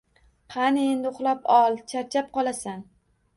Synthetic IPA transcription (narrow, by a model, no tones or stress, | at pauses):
qʰɑnɪend̪ʊχlˠapɒlˠt͡ʃʰaɾt͡ʃʰap̚qʰɒlˠasan